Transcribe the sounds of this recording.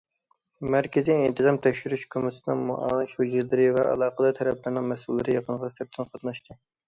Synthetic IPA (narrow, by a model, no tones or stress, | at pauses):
mæɾkʲɪziːnt̪ʰɨzɑmt̪ʰɛkʲʃyɾyʃkʲʰømɪsɪnɨŋmuʔɑ̰ːnɨʃod͡ʒiɾlɪɾɪvɛʔɑ̰lˠɑːqəd̪ɑt̪ʰɛɾɛplɪɾnɨŋmɛsulˠːɨɾɨjɑqʰənəʁɑsɪɾt̪ʰɪnqʰɑt̪nɨʃt̪ʰɨ